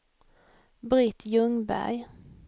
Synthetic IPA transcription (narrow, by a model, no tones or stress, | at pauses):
bɾɪt̪ʰjɵŋbæ̰ɾj